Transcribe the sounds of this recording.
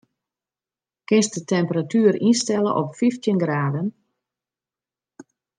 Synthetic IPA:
kɪnsdətɛmpəratyːɾinstɛlə̰ʔɔpfiftjənɡraːdən

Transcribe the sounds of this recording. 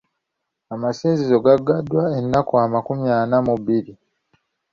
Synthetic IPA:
amasiːnzizo̞ɡaɡːadːwaenːakoamakumjaːnamuβiɾi

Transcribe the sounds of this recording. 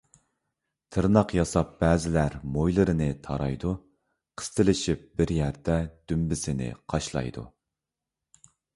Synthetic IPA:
t̪ʰɨɾnɑqjɑsɑp̚b̥ɛːzɪlæɾmojlˠɨɾɨnɨt̪ʰɑɾɑ̰jd̪u | qʰə̥st̪ʰɨlɪʃip̚b̥ɪɾjæɾd̪ɛd̪̥ymbɪsɪnɪ̰qʰɑʃlˠɑ̰jd̪ṵ

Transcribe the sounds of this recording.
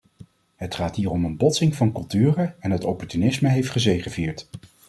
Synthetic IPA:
ɦətχaːtɦiːrɔmənbɔtsɪŋvɑnkɵlˠtyːrəɛnɦətɔpɔɹtynɪsməɦejftχəzejχəviːɹt

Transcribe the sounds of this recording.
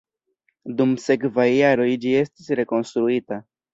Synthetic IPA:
d̪umsekvaijaɾoid͡ʒijest̪esɾe̞ko̞nst̪ɾuit̪ə

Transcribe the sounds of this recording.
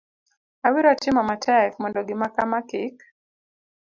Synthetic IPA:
awiɾatɪmamatʰɛkmɔndɔɡɪmakamakɪk

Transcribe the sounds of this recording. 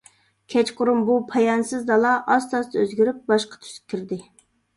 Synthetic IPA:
kʲʰɛt͡ʃqʊɾumbupʰɑjɑnsɨzd̪ɑlˠɑʔɑst̪ɑst̪øzɡʲyɾyp̚bɑʃqɑ̥t̪ʰy̥skʲʰiɾd̪ɪ

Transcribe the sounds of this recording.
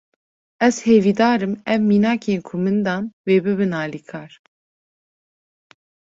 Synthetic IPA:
ɛz̥heːviːd̪ɑːɾɨmɛvmiːnɑːkeːnkʰʊmɨnd̪ɑːnweːbɨβɨnɑːlikʰɑːɾ

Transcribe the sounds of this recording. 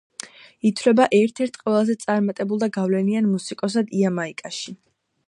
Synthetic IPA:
it̪ʰvlɛbaʔɛɾt̪ʰɛɾt̪ʰqʼwɛlˠazɛt̪sʼaɾmat̪ʼɛbulˠd̪aɡavlɛnianmusikʼɔs̬ad̪iamaikʼaʃi

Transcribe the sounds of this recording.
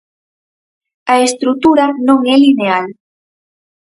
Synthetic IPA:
aest̪ɾut̪uɾanõŋɛlineal

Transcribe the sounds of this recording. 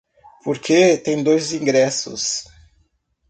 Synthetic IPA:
poɾkʰet̪ẽj̃d̪ojzĩŋɡɾɛsʊ̰s

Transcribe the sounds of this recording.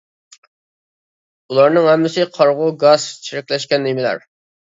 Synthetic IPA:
ulˠɑɾnɨŋhɛmːɪsɪqʰɑɾʁʊɡɑzt͡ʃʰiɾɛkʲlɛʃkʲɛnːemɪlæ̰ɾ

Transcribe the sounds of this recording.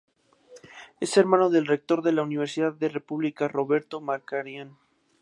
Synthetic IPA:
e̞se̞ɾmãno̞ðe̞lre̞k̚t̪o̞ɾðe̞launiβ̞e̞ɾsiðaðːe̞re̞puβlikaro̞βe̞ɾt̪omaɾkaɾjan

